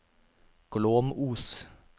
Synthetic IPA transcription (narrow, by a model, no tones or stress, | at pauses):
ɡ̥loːmuːs